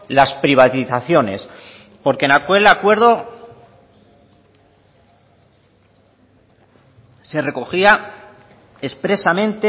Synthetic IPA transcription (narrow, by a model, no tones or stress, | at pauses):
laspɾiβ̞at̪iθaθjo̞ne̞̰s | po̞ɾkenakwe̞lakwe̞ɾðo̞ | se̞re̞ko̞xia | e̞spɾe̞samẽ̞nt̪e